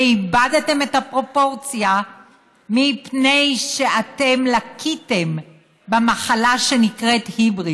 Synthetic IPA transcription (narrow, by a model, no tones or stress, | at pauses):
ibadate̞me̞tapʁo̞po̞ʁt͡sja | mipne̞jʃe̞atemlakʰite̞m | bemaχalaʃe̞nikʁe̞thibʁi